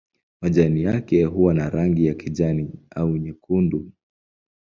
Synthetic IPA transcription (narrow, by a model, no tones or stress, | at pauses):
maʄanijakɛɦuwanaɾaŋɡijakiʄaniauɲɛkundu